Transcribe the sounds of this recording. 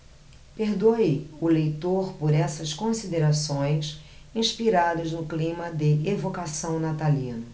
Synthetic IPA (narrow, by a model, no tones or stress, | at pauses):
peɾd̪oeʊlejt̪oɾpoɾɛsɐskõsid̪eɾasõj̃s | ĩʃpiɾad̪ɐznʊklĩmɐd̪ɪevokasɐ̃w̃nat̪alĩnʊ